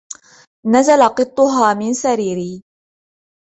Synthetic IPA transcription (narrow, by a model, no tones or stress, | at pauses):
nazalaqɨt̪ˤːʊɦaːmɪnsaɾiːɾiː